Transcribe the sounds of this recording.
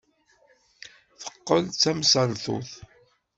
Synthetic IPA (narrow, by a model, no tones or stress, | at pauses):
θə̥qːəlt͡sːæmsəɾθʊ̰θ